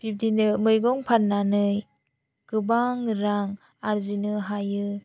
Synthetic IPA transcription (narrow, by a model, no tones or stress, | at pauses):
pʰip̚dinɯmɯjɡɔŋpʰat̚nanɯj | ɡ̥ɯbaŋɾaŋ | aɾzinɯɦajɯ